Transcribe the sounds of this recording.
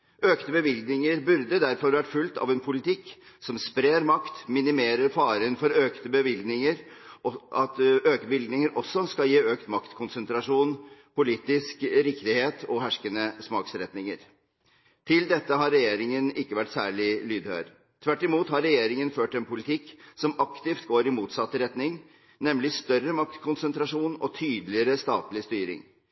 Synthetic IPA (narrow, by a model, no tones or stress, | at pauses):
ʔøːkt̪əbəʋɪlɡnɪŋəɾbʉɾd̪əd̪æɾfɔɾʋæʈfʉlt̪ɑ̰ʋɛnpʰʊlɪt̪ʰɪkː | sɔmspɾeːɾmɑkt̪mɪnɪmeːɾəɾfɑːɾənfɔɾøːkt̪əbəʋɪlɡnɪŋəɾ | ɑt̪øːkəbɪlɡ̪nɪŋəɾʔɔsːɔskɑljiːøːkt̪mɑkt̪kʰʊnsənt̪ɾɑʂuːnpʊliːt̪ɪskɾɪkt̪ɪheːt̪ʰɔɦæʂkənəsmɑːksɾɛt̪nɪŋə̰ɾ | t̪ʰɪld̪ɛt̪ːəɦɑɾːɛjeːɾɪŋənɪkːəʋæʈːsæːɭɪlyːd̪hø̰ːɾ | t̪ʰʋæʈːɪmuːt̪hɑɾːɛjeːɾɪŋənføːʈɛnpʰʊlɪt̪ʰɪkːsɔmɑkt̪ɪft̪ɡoːɾɪmuːt̪sɑt̪ːəɾɛt̪nɪŋ | nɛmlɪst̪œɾəmɑkt̪kʰʊnsənt̪ɾɑʂuːnɔt̪ʰyːd̪lɪəɾəst̪ɑːt̪lɪst̪yːɾɪ̰ŋ